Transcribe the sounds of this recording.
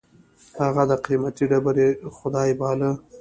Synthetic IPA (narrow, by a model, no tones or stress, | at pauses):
haɣad̪əqimat̪iɖabaɾexʊd̪ɑjbɑlə